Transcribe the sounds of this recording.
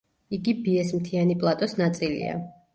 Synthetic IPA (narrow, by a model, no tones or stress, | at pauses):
iɡibiɛsmt̪ʰianipʼlˠat̪ʼɔsnat̪sʼilḭa̰